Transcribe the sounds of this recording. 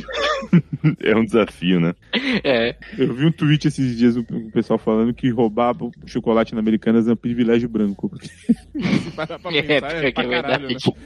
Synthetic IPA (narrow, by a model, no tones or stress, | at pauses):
ɛ̰ũd̪ɪzafiʊnɛ | ɛewviũt̪uit͡ʃɪesɪzd͡ʒiɐzʊʊpesuawfalɐ̃nd̪ʊkɪɦobavɐʃokolat͡ʃinɐmeɾikɐ̃nɐzɛũpɾivilɛʒjʊbɾɐ̃ŋkʊpʊɾkʰe̥ | aɛkɐkevajd̪a